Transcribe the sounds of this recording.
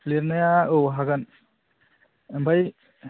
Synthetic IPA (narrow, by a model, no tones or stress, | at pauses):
pʰleɾnajaowɦaɡan | mbaj